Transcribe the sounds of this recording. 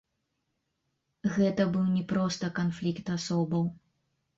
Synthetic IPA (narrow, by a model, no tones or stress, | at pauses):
ɣɛt̪ɐbɨwnʲɛpɾɔst̪ɐkanflʲikt̪asɔbɐw